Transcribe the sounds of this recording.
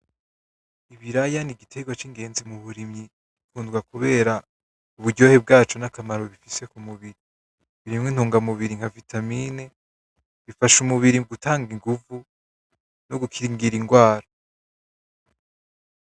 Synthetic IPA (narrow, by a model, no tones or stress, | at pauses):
iβiɾajaniɡitʰe̞ɡwat͡ʃiŋɡe̞ːnzimuβuɾimɲi | βikuːndɡwakuβe̞ːɾa | uβuɾɟo̞ːhe̞b̚ɡaːt͡ʃo̞nakamaɾo̞βifise̞kumuβiɾi | βiɾimŋin̥huːŋɡamuβiɾiŋ̥havitʰamiːne | βifaʃumuβiɾiuɡutaːŋɡiŋɡuvu | noɡukʰiɾiŋɡiɾiŋɡwaːɾa